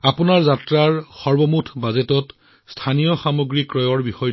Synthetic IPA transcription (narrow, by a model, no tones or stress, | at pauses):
apunaɹzatɹaɹxɔɹbɔmutʰbazetɔt | stʰanijɔxamoɡɹikɹɔjɔɹbixɔj